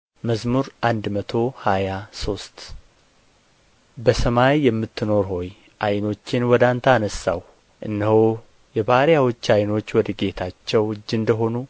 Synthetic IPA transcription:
məzmuɾʔand̪mət̪ʰo̞hajaso̞st̪ | bəsəmajːɛmːɨt̪ːɨno̞ɾɦo̞j | ʔajno̞t͡ʃːɪnwɔd̪ant̪ʰaaːnəsːa̰w | ʔɨnːəho | jɛbahɾjawɔt͡ʃːajno̞t͡ʃːwɔd̪əɡe̞t̪ʰat͡ʃːɛwɨd͡ʒːɨnd̪əɦo̞nu

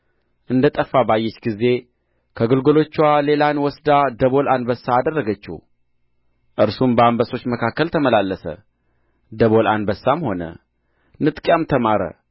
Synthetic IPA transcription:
ʔɨnd̪ət̪ʼəfːabajːɛt͡ʃːɡizːe̞ | kʰəɡɨlɡolo̞t͡ʃːwale̞lanwɔsd̪ad̪əβo̞lanbəsːaːd̪ərːəɡət͡ʃːṵ | ʔɨɾsumbəambəso̞t͡ʃːməkʰakːəlt̪ʰəməlalːəsə̰ | d̪əβo̞lʔa̰nbəsːamho̞nə̰ | nɨt̪ʼkʼjamt̪ʰəmaɾə̰

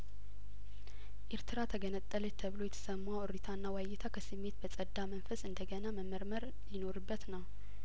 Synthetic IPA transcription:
ʔeɾt̪ʰɨɾat̪ʰəɡənət̪ʼːəlɛt̪ʰːəβlo̞jɛt̪ʰə̥səmːaoɾit̪ʰanːawajɛt̪ʰakʰəsɨmːe̞t̪̚bəsʼəd̪ːamənfəsɨnd̪əɡənaməmːəɾməɾ | jɪno̞ɾɨbːət̪nəw

